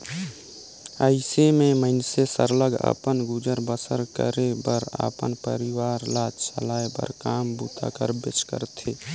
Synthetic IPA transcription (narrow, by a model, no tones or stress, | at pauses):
əɪsemẽməɪnsesə̰ɾləɡə̰pənɡud͡ʒəɾbəsə̰ɾkə̰ɾebəɾə̰pə̰npə̰ɾiwaːɾlaːd͡ʒsə̰laːebə̰ɾkaːmbut̪ʰa̰kəɾbet͡ʃkə̰ɾt̪ʰe